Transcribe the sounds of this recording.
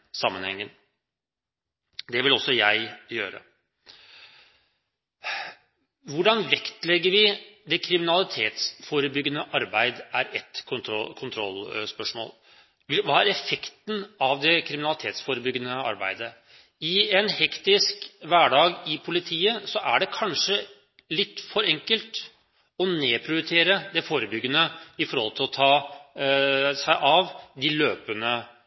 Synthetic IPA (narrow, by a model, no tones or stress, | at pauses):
sɑmːənhɛ̰ŋːən | d̪ɛʋɪlɔsːɔjæɪjøːɾə̰ | ʋʊɖɑnʋɛkt̪lɛɡːəɾʋɪd̪ɛkʰɾɪmɪnɑlɪt̪ʰeːt̪sfoːɾəbʏɡːənəʔɑɾbæɪd̪æɾɛt̪kʰɔkʰʊnt̪ʰɾɔlspœʂmo̰ːl | ʋɑːæɾɛfɛkt̪n̩ɑʋd̪ɛkʰɾɪmɪnɑlɪt̪ʰeːt̪sfoːɾəbʏɡːənəɑ̰ɾbæ̰ɪd̪ə | ɪɛnhɛkt̪ɪskʋæːɖɑːɡɪpʰʊlɪt̪ʰiːəsɔʔæɖɛkʰɑnʂə | lɪt̪ːfɔɾɛŋkəlt̪ | ɔneːpʰɾɪʊjt̪ʰeːɾəd̪ɛfoːɾəbʏɡːənəɪfɔɾhɔlˠt̪ʰɪlɔt̪ʰɑː | sæɪʔɑʋd̪ɪløːpənə